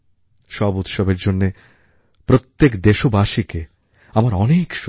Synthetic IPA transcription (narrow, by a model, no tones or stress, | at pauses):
ʃɔbut̪ʃɔbeɾd͡ʑonːe | pɾot̪ːekd̪eʃobaʃike | amaɾɔnekʃ